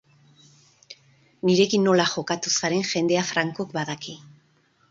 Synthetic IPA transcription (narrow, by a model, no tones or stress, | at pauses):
niɾe̞kinːo̞laxo̞kat̪usaɾe̞ŋʝe̞nd̪e̞afɾaŋkokbaðakʰi